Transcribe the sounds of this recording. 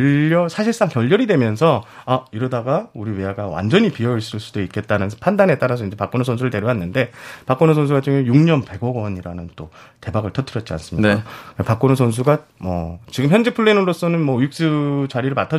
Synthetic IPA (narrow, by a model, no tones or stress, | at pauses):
ʌsʰaɕʰiɭs͈aŋkjʌʎːʌɾidwe̞mjʌnsʰʌaiɾʌdaɡauɾiweaɡawa̰nd͡ʑʌɲipiʌiɭs͈ɯɭs͈udoik͈̚e̞t̚t͈anɯnpʰandanɦe̞t͈aɾasʰʌind͡ʑe̞pak͈onosʰʌns̬ʰuɾɯɭte̞ɾjoɦanːɯnde̞pak͈onos̬ʰʌns̬ʰuɡat͡ɕɯŋejuŋɲʌnpe̞ɡʌɡʌɲiɾanɯnt͈o | te̞baɡɯɭtʰʌtʰɯɾʌt̚t͡ɕia̰ns͈ɯmɲiaapak͈onos̬ʰʌns̬ʰuɡa | mʌt͡ɕiɡɯmçjʌnd͡ʑe̞pʰuɭːenɯɾos͈ʌnɯnmʌjuk̚s͈ɯt͡ɕaɾiɾɯɭmatʰa